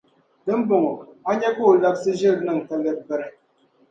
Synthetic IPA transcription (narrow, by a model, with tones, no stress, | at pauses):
dɨ˦m̩˦bo˨ŋo˨a˦ɲɛ˦ku˦˨la˦bsɨ˦ʒɨ˦˨ɾnɨ˦˨ŋ˨ta˨lɛ˦t̚bɛ˨ɾɛ˨